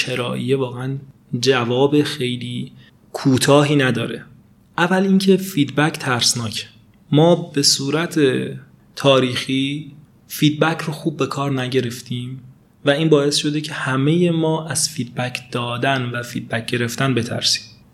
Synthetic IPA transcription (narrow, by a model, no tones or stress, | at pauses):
ʃʰe̞ɾɒːʔḭjevɒːɣeæn | d͡ʒævɒːbe̞xe̞jliː | kʰuːt̪ʰɒːɦiːnæd̪ɒːɾe̞ | ʔævæliːncʰe̞fiːd̪̚bæcʰt̪ʰæɾsnɒːcʰe̥ | mɒːb̥e̞suːɾæt̪ʰe | t̪ʰɒːɾiːxiː | fiːd̪̚bæcʰroxuːb̚ːe̞kʰɒːɾnæɟe̞ɾe̞ft̪ʰiːm | væiːnbɒːe̞sʃo̞d̪e̞cʰe̞hæme̞je̞mɒːʔæz̥fiːd̪̚bæcʰd̪̥ɒːd̪ænvæfiːd̪̚bæc̚ɟ̥e̞ɾe̞ft̪ænbe̞t̪ʰæ̰ɾsi̥ːm